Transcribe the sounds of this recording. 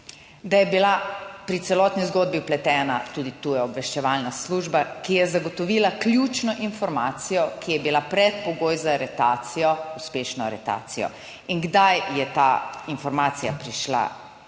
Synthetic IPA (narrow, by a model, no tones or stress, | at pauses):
d̪ajɛbilapɾit̪sɛlɔt̪nizɡoːd̪̚biplɛt̪ɛːnat̪ud̪it̪uːjɛɔbʋɛʃt͡ʃɛʋalnasluːʒbakijɛzaɡɔt̪ɔʋiːlaklʲjut͡ʃnɔʔinfɔɾmaːt̪sijɔkijɛbilapɾɛt̪pɔɡoːjzaɾɛt̪aːt̪sijɔuspeːʃnɔaɾɛt̪a̰ːt̪sijɔ̰ | iŋɡd̪ajjɛt̪ainfɔɾmaːt̪sijapɾiʃla̰